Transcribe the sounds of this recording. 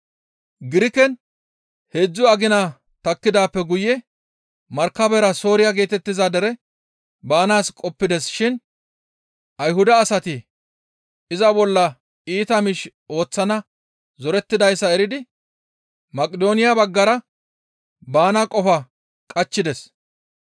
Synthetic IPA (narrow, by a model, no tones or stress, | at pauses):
ɡɪɾɪkɛn | hed͡zːʊɐɡɪna | t̪ɐkːɪd̪aːpːɛɡʊjːɛ | mɐɾkːɐbɛɾɐso̞ːɾɪjaɡe̞ːt̪ɛt̪ːɪzad̪ɛɾɛ | baːnaːskʼɔpːɪd̪ɛsʃɪn | ʔɐjɦʊd̪ɐːsɐt̪ɪ | ɪzɐbɔlːɐ | iːt̪ɐmɪʃ | o̞ːt͡sːɐnɐ | zɔɾɛt̪ːɪd̪ɐjsːɐɛɾɪd̪ɪ | mɐkʼɪd̪o̞ːnɪjabɐɡːɐɾɐ | baːnakʼɔfɐ | kʼɐt͡ʃːɪd̪ɛs